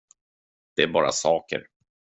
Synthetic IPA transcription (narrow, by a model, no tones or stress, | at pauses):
d̪̥ɛæɾbɑːɾa̰sɑːkə̰ɾ